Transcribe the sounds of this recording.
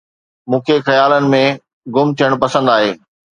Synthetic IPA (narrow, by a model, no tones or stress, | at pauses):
mũːkʰexɐjaːlənɪ̆mẽ | ɡʊmt̪ʰijəɽ̃pɐsə̃nd̪aːɦeː